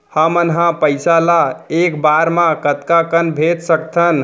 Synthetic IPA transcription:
həmənɦãpəjsalaekbaɾmãkət̪kakənbʱet̪səkt̪ʰən

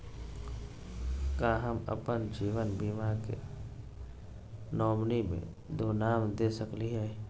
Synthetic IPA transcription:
kaɦəmə̰pənd͡ʒiːʋənbiːmakḛ | nɔːmnimḛ̃ | d̪oːnaːmd̪esəkliɦɛ

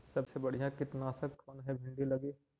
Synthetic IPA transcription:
sɐbsebɐɽ̤ijãkɪt̪naːsəkkʰoːnɦɛbʱɪ̃ɳɖilɐɡeː

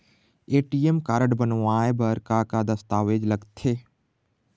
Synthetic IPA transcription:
eːʈiːemkaːɾəɖbənʋaːebəɾkakad̪ɐst̪aːʋeːd͡ʒləɡt̪ʰeː

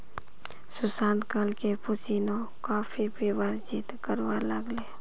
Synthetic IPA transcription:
sʊsaːnkəlkepʊt͡ʃino | kaːpʰibiʋəɾd͡ʒɪt̪kəɾʋaləɡleː

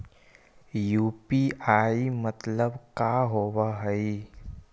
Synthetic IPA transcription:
juːpiʔaːimət̪ləbkaːɦoːwaɦəi

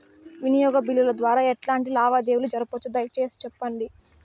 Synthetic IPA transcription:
ʋinijɔːɡɐbilːulɐd̪ʋaːɾaːɛʈlaːɳʈilaːʋaːd̪eːwulud͡ʒɐɾɐpot͡ʃːud̪ɐjt͡ʃe̞ːsi̥t͡ʃɛpːɐɳɖi

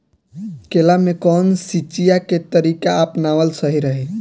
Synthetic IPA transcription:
kelamekɔnsit͡ʃijaket̪əɾikaəpnaʋəlsəɦiɾəɦɛ

